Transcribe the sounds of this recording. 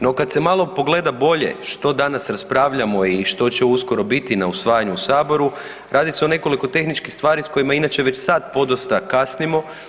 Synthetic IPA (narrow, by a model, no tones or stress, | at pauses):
no̞kad̪se̞malˠo̞po̞ɡle̞d̪abo̞ʎe̞̰ʃt̪o̞d̪anasɾaspɾaːʋʎamo̞iʃt̪o̞t͡ɕeusko̞ɾo̞bit̪inausʋaːjaɲuusaːbo̞ɾu | ɾaːd̪iseo̞ne̞ko̞liko̞t̪e̞xnit͡ʃkixst̪ʋaːɾisko̞jimainat͡ʃe̞ʋe̞t͡ɕsaːt̪̚po̞d̪ost̪akasnimo̞